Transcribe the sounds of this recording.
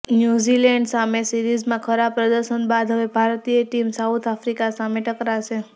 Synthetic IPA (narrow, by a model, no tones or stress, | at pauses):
njuzileɳɖsamesiɾid͡ʒmãkʰəɾapɾəd̪əɾʃənbad̪ʱɦəʋebʱaɾt̪ijəʈimsaut̪ʰafɾikasameʈəkɾaʃe